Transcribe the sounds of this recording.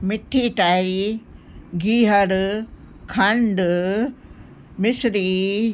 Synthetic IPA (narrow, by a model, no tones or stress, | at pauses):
mɪʈʰiʈaːjɾi | ɡiːɦɐɾ | kʰɐ̃ɳɖ | mɪsɾi